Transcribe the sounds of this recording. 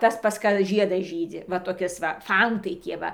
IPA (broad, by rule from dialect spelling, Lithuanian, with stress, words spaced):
ˈtɐs pɐs ˈkɐ ˈʒʲiɛdɐs ˈʒʲiːd͡zʲɪ ʋɐ toːˈkʲɪs ʋɐ ˈfɐntɐɪ ˈtʲiɛ ˈʋɐ